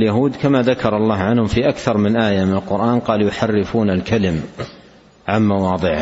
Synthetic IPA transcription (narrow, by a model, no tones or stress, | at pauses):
ljaɦuːd̪kamaðakɑɾˤɑlˤːɑːhʕanhʊmfiʔakθɑɾˤmɪnʔaːjamɪnalqʊɾʔaːnqɑːljʊħarːɪfuːnalkalɪm | ʕanmawɑːd̪ˤɨʕ